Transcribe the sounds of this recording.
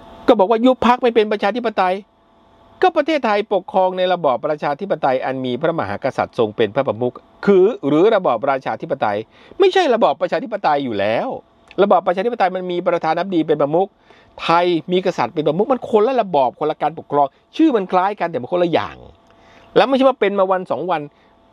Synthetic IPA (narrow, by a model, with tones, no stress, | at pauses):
kɔː˥˩bɔː˨˩k̚waː˥˩ju˦˥pʰa˦˥k̚ma˧˥˩jp̬e˧npɾa˧t͡ɕʰaː˧t̪ʰi˦˥pːa˧t̪a˧j | kɔː˥˩pɾa˧t̪ʰeː˥˩t̪ʰːa˧jpo˨˩kʰɾɔː˧ŋna˧jɾa˧bɔː˨˩p̚ːɾa˧t͡ɕʰaː˧t̪ʰi˦˥p̬ːa˧t̪a˧jʔa˧nmiː˧pʰɾa˦˥ma˧ɦa̰ː˩˦ka˧sa̰˨˩t̪̚so˧ŋpe˧npʰɾa˦˥pɾa˧mu˦˥k̚ | kʰːɯː˧ɾɯː˨˩˦ɾa˧bɔː˨˩p̚ɾaː˧t͡ɕʰaː˧t̪ʰi˦˥pːa˧t̪a˧j | ma˥˩jt͡ɕʰa˥˩jɾa˧bɔː˨˩pːɾa˧t͡ɕʰaː˧t̪ʰi˦˥pːa˧t̪a˧jːuː˨˩lɛː˦˥w | ɾa˧bɔː˨˩pːɾt͡ɕʰaː˧t̪i˥pa˧t̪a˧jma˧nmiː˧pɾa˧t̪ʰaː˧nːa˦˥p̚diː˧p̬e˧npɾa˧mu˦˥k̚ | t̪ʰa˧jmiː˧ka˧sa˨˩t̪̚pe˧npa˧mu˦˥k̚ma˧nkʰo˧nlɛ˦˥la˧bɔː˨˩p̚kʰo˧la˧kaː˧npo˨˩kʰːɾɔː˧ŋ | t͡ɕʰɯː˥˩ma˧nkʰlaː˦˥jka˧nt̪ɛ˨˩ma˧˩kʰːla˧˥˩ja̰ː˨˩ŋ | lɛ˦˥wma˥˩jʰt͡ɕʰa˥˩wa˥˩pe˧nmaː˧wa˧nsɔː˩˦ŋwa˧n